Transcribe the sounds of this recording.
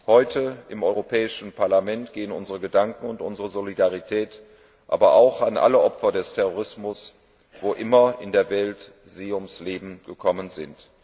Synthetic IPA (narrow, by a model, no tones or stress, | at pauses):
hɔʏtʰəɪmʔɔʏʁopʰɛːɪʃn̩pʰaɐlamɛntɡ̥eːənʊnzəʁəɡədaŋkŋ̩ʊntʔʊnzəʁəzolidaʁ̞itʰɛːt | ʔa̰ːbɐʔaʊxanʔa̰ləʔɔpfɐdɛstʰɛʁoʁɪsmʊs | v̥oːʔɪmɐɪndeːɐvɛlt | z̥iːʊmsleːbm̩ɡ̥əkʰɔmənzɪnt